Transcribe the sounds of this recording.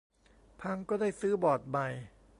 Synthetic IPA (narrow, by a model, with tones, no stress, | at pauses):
pʰa˧ŋkɔː˥˩daː˥˩jsɯː˦˥bɔː˨˩t̪̚ma˨˩j